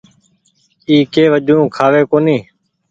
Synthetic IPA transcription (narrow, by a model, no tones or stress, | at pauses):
iːkeːʋəd͡ʒʱũːkʰaːʋeːkoːniː